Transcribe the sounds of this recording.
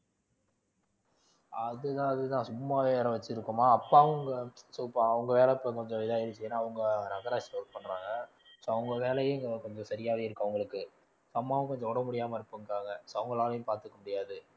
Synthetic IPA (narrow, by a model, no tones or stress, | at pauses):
ɐðɯt̪ãːɐðɯt̪ãːsʊmːaːʋeːɛɾɐ̃ʋɐt͡ʃːɪɾɯkːɯmaːɐpːaːʋɐŋɡɐsɔpːãɐʋɐŋɡɐʋeːlɛpːojkɔɲd͡ʒɔ̃ʋɪðaːɪɾɯt͡ʃːɯjeːnːaːʋɐŋɡɐnɐɣɐɾaːt͡ʃloʈ̚pɐɳːɾaːŋɡɐ | soːɐɐŋɡɐʋeːlɐjɯ̃kɔɲd͡ʒɔ̃sɐɾɪjaːʋeːɪɾɯkːɐʋɐŋɡɐɭɯkːɯ | soːɐmːaːʋɐ̃kɔɲd͡ʒɔ̃ɔɽɐmʊɽɪjaːmɐɪɾɯpːɯŋkaːŋɡɐsoːɐʋɐŋɡɐɭaːlɐjʊ̃paːɾt̪ɯkːɐmʊɽɪjaːðɯ